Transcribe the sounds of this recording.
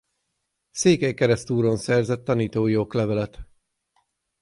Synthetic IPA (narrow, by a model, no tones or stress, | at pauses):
seːkɛjkɛɾɛst̪uːɾonsɛrzɛt̪ːɒniːt̪oːjoklɛvɛlɛt̪